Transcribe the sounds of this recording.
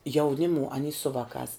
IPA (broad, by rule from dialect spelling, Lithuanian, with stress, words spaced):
jɛʊˈnʲɪmʊ ɐˈnʲiː sʊ ˈʋɑːkɑːs